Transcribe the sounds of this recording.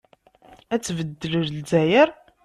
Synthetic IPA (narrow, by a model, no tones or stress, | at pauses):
æt͡sːvəd̪ːələɾlzæjəɾ